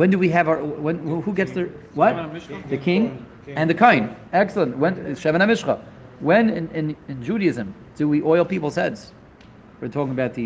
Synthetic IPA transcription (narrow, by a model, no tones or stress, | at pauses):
wɛ̃ndɨwiɨvəwɛ̃nhuɡɛtsðə˞wʌt̚ðɨkʰɪ̃ŋ | ɨ̃nðɨkʰõɪ̃nɛksl̩ˠə̃nwɛ̃nʃɛvəñəmɪʃχə | wɛ̃nɪ̃nɪ̃nɨ̃nd͡ʒʉɾɨɨzɨ̃m | d̥ɨwiʔɔɪl̩ˠpipl̩ˠz̥hɛdz̥ | wə˞tʰɔkɪ̃ŋəbaʊt̪̚ðɨ